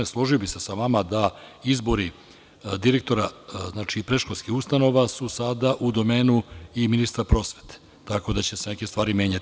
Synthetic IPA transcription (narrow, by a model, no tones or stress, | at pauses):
eslˠo̞ʒijobise̞saʋamad̪aizbo̞ɾi | d̪iɾe̞k̚t̪o̞ɾaznaːt͡ʃipɾe̞ʃkolʲskixust̪ano̞ʋasusad̪aʔud̪o̞me̞ːnuiminist̪ɾapɾo̞sʋe̞̥t̪e̥ | t̪ako̞d̪at͡ɕe̞sene̞ke̞st̪ʋaːɾimʲje̞ːɲat̪